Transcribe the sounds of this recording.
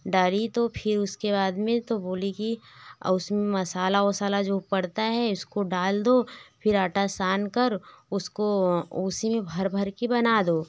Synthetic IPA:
ɖaːɾit̪opʰɪɾʊskeβaːd̪mẽt̪oboːlikḭʊsmẽmɐsaːlaoːsaːlad͡ʒoːpɐɽt̪aɦɛʊskoɖaːld̪oːpʰɪɾaʈasaːnkɐɾʊskooːsimẽbʱɐɾbʱɐɾkebɐnaːd̪oː

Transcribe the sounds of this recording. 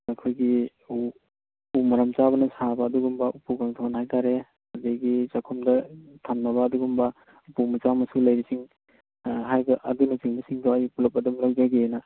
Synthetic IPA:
ɐkʰojɡi | u | pumɐɾɐmt͡ʃabɐnɐsabɐːduɡumbɐupuɡaŋtʰonhajtaɾe | ɐdeɡit͡ʃakʰumdɐtʰamnɐbɐːduɡumbɐ | upumɐt͡ʃamɐsulɐjɾisiŋ | ɦajbɐʔɐdunusiŋbisiŋdowajipulɐp̚ɐdumlawd͡ʒaɡenɐ

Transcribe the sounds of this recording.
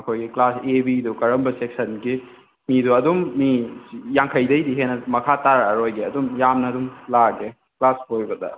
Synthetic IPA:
ɐkʰojɡiklasebidukɐɾɐmbɐsek̚sɐnɡi | miduɐdumːijaŋkʰɐjdɐjdiɦenɐmɐkʰataɾɐɾojɡiɐdumjamnɐdumlaɡe | klashojbɐdɐ̰

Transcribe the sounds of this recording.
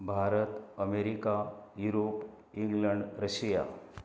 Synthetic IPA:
bʱaːɾət̪əmeɾikajuɾoːp | ĩŋɡləɳɖɾəʃija̰

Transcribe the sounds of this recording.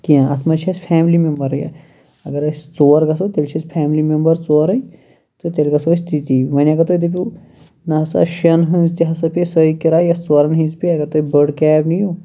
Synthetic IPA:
kiãɐt̪ʰmɐt͡ʃʰɐspʰɛːmlimembɐɾjɐ̰ | ɐɡɐɾɐsʲt͡soːɾɡɐs̬ɐt̪elt͡ʃʰɐspʰaːmlimembɐɾt͡soːɾɐj | t̪ot̪elɡɐsɐst̪ʰit̪iʋɐniɐɡɐɾt̪oːid̪ipi | nɐɦɐsa̰ʃɐnɦɐ̃nzt̪iɦɐsɐpisəikiɾaːjɐst͡soɾɐnɦĩnzpiɐɡɐɾt̪oːibəɖkɛːpniju

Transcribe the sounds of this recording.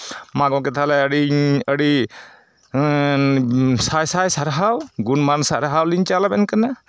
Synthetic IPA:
maɡɔ̃k̬ɛt̪ʰalɛɽiəɽi | sajsajsaɾɦawɡunmansaɾɦawliɲt͡ʃalabɛnkana

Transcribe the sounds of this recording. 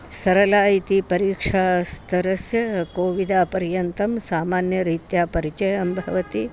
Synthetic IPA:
sɐɾɐlaːit̪ipɐɾiːkʂaːst̪ʰɐɾɐsjɐkoːʋid̪aːpɐɾjɐnt̪ɐmsaːmaːnjɐɾiːt̪jaːpɐɾit͡ʃɐjɐmbʱɐʋɐt̪i

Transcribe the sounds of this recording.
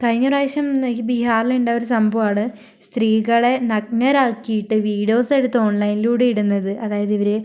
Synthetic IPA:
kɐɻiŋːuraːɕɐmbiɦaːriluɳɖaːoɾusɐmbʱɐʋaːɳɨ | st̪riːɣɐɭe̞nɐk̚nɐɾaːkːijiʈːɨʋiːɽijo̞ːse̞ɽut̪ːɨoɳlɐjniluːɽeiɽunːɐðɨʔɐðaːjɐðiʋɐɾe

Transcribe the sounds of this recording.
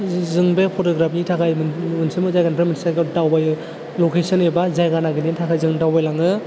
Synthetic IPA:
zɯŋbepʰotoɡɾapʰnitʰakʰajmɯnsimɯzajɡanpʰɾaminsaɡadawbaj | lokesɔnebazajɡanaɡinitʰakʰajzɯŋdawbajlaŋɯ

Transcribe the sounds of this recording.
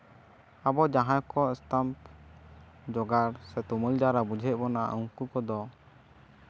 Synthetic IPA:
abɔd͡ʒaɦãjkɔɛst̪amp | d͡ʒɔɡaɾsɛt̪uməld͡ʒaɾabud͡ʒʱɛt̪̚ˀbɔnaʔuŋkukɔd̪ɔ

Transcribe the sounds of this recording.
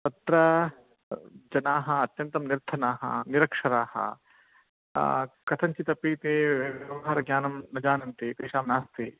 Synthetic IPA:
t̪ɐt̪ɾɐ | d͡ʒɐnaːɦɐɐt̪jɐnt̪ɐmniɾt̪ʰɐnaːɦɐ̰niɾɐkʂɐɾaːhɐ̰ | kɐt̪ʰɐɲt͡ʃit̪ɐpiːt̪eːʋjɐʋɐɦɐɾɐɡjaːnɐmnɐd͡ʒaːnɐnt̪it̪eːʃaːmnaːst̪i

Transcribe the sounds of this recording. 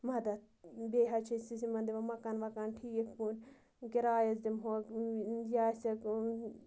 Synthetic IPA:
mɐd̪ɐt̪ | beːɦɐt͡ʃʰisisimɐnd̪iʋɐmɐkɐnʋɐkanʈʰiːkekpunʲ | keɾaːjɐzd̪imɦoːkjaːsʲɐk

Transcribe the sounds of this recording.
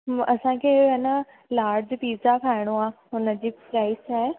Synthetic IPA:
ɐsãkʰeːɐnə | laːɾd͡ʑpiːzakʰaːɪɽ̃oaːɦʊnə̆d͡ʑiːpɾaːisʰaːɦe

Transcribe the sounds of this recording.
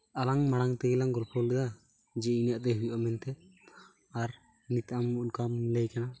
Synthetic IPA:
alaŋmaɽaŋt̪ɛɡɛlaŋɡɔlpʰɔlɛda | d͡ʒɛinaʔt̪ɛɦujʔamɛnt̪ɛ | aɾ | nit̪amunkamilejkana

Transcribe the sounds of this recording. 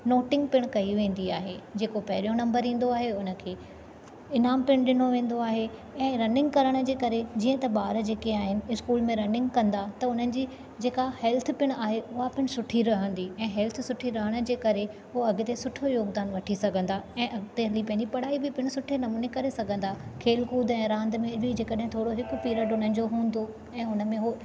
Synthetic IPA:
noːʈɪ̃ŋɡ̚pɪɽ̃kɐiʋẽːn̆d̪iaːɦed͡ʑeːkopɐɦɪɾijõnɐ̃mbəɾĩːn̆d̪oaːɦeʊnə̆kʰeː | ɪnaːmpɪɽ̃ɗɪnoʋẽːn̆d̪oaːɦe | ɛ̃ːɾɐnɪ̃ŋɡkɐɾəɽ̃ə̆d͡ʑeːkɐɾed͡ʑiːə̃t̪ɐɓaːɾd͡ʑeːkeaːɦɪnɪ̆ɪskuːlmẽɾɐnɪ̃ŋɡkɐ̃nd̪at̪ɐʊn̤ənɪ̆d͡ʑiː | d͡ʑeːkahɛːlt̪ʰpɪɽ̃aːɦeʔʊɦapɪɽ̃sʊʈʰiɾɐɦə̃nd̪iɛ̃ːɦɛlt̪ʰsʊʈʰiɾɐɦəɽ̃ə̆d͡ʑeːkɐɾe | ʊoɐɡɪt̪esʊʈʰojoːɡd̪aːnʋɐʈʰisɐɡʱə̃nd̪aɛ̃ːʔɐɡt̪eɦlipɐ̃ɦɪ̃ɲd͡ʑipɐɽ̤aːibɪpɪɽ̃sʊʈʰenɐmuːnekɐɾesɐɡʱə̃n̆d̪akʰeːlkuːd̪ɛ̃ːɾãːnd̪mẽbʱɪd͡ʑeːkəɗɦɪ̃t̪ʰoːɽoɦɪkʊ̆piːɾəɖʊn̤ənɪ̆d͡ʑoɦũːnd̪o | ɛ̃ːʊnə̆mẽɦo

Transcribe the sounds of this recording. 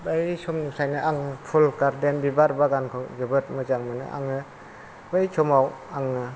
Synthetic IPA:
bajsɔmnusajnɯʔaŋɯpʰulkaɾdenbibaɾbaɡankʰɔzɯbɯt̚mɯzaŋmɯnɯ̰ʔa̰ŋɯ | bajsʰɔmawaŋɯ

